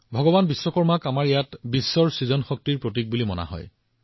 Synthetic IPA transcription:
bʱɔɡɔbanbisːɔkɔɹmakamaɹejatbisːɔɹsizɔnxɔk̚tiɹpɹot̬ik̚bulimɔna̰ɦɔ̰j

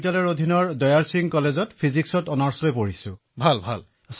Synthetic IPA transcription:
talɔɹodʱinɔɹdɔjaɹsiŋkɔlezɔtpʰiziksɔtɔnaɹslojpoɹisʊ̃ | bʱalbʱa̰l | s

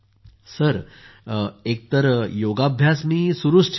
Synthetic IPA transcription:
səɾ | ek̚t̪əɾjoɡabʱjasmiːsuɾuʂʈʰ

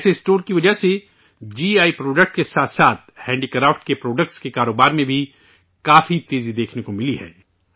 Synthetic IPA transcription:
sesʈoːɾkiʋɐd͡ʒəse | d͡ʒiːaːipɾoːɖək̚ʈkesaːt̪ʰsaːt̪̚ʰhɛ̃ːɳɖikɾaːfʈkepɾoːɖək̚ʈskekaːɾoːbaːɾmẽbʱi | kaːfit̪eːzid̪eːkʰnekomɪliɦɛ̰ː

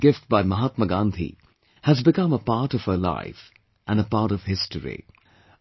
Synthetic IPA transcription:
ɡ̥ɪft̚b̥aɪməɦat̪̚məɡãnt̪ʰḭ | həzbɨkʌ̃məpɑɹɾʌv̥əla̰ɪf | ʔə̃nəpɑɹɾʌv̥hɪstəɹḭ

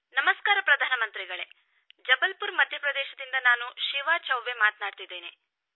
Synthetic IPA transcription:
nɐmɐskaːɾɐpɾɐd̪ʱaːnɐmɐnt̪ɾiɡɐɭe̞ | d͡ʒɐbɐlpuɾmɐd̪ʱjɐpɾɐd̪ɛːʃɐd̪ind̪ɐnaːnuʃiʋaːt͡ʃɐwʋemaːt̪naːɖt̪id̪ːeːne̞

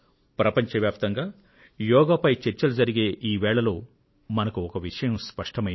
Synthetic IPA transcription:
pɾɐpɐɲt͡ʃɐʋjaːp̚t̪ɐŋɡaː | jɔːɡapɐjt͡ʃeɾt͡ʃːɐlud͡ʒɐɾiɡe̞ːʔiːʋɛːɭɐlo̞ː | mɐnɐkuɔkɐʋiʂɐjɐmspɐʂʈɐmɐ

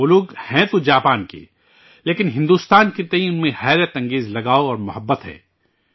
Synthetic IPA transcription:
ʊlʊɡhɛ̃t̪od͡ʒaːpaːnkḛ | leːkɪnɦɪ̃nd̪uːst̪aːnket̪ɐɦĩʊnmẽhɛːɾjət̪ɐ̃ŋɡeːzlɐɡaːoɔːɾmʊɦəbːət̪ɦɛ̰ː

